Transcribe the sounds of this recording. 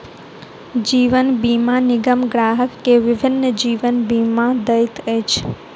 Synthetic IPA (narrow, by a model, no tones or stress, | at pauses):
d͡ʒiːʋənbiːmãnɪɡəmɡɾaːɦəkːeʋɪbʱɪnːəd͡ʒiːʋənbiːmãd̪əɪt̪əjt͡ʃʰ